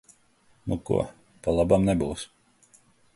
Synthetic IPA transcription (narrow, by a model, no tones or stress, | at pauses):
nukṵɔ | palˠabamnɛbuws